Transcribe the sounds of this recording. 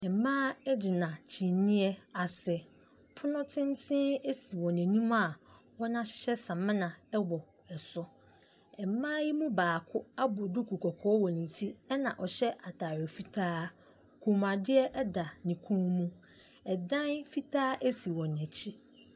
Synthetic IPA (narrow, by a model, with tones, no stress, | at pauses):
ɛ˨mãː˦ɛ˦d͡ʑi˨nã˨t͡ɕʰi˨nĩ˦ɛ˦a˨sɛ˨ | pʰʊ˦nʊ̃˦tʰɪ̃˦n˦tʰɪ̃˦e˦si˨wɔ̃˨næ̃˨nũ˦ma˨ | wɔ˦nã˦ɕɪ̥˦ɕɛ˦sã˨mɪ̃˦nã˨ɛ˦wɔ˨ | ɛ˨sʊ˦ | ɛ˨mãː˦ji˦mũ˦baː˨kʰʊ˦a˦bʊ˨dʊ˦kʰu˨kʰɔ˨kʰɔː˦wɔ˨nĩ˨tʰi˦ɛ˦nã˨ʔɔ˨ɕɛ˦ʔa˨tʰaː˨ɾɔ˨fi˦tʰaː˦ | kʰũ˨m˨a˨dɪ˦ɛ˦ʔɛ˦da˨nĩ˨kʰũ˦mũ˦ | ɛ˨dã˦nfi˦tʰaː˦ʔe˦si˨wɔ̃˨n˨ɛ̃˨t͡ɕʰi˦